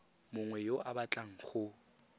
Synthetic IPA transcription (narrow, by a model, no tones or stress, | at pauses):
mʊŋwɛjoabat͡ɬʼaŋ̩χʊ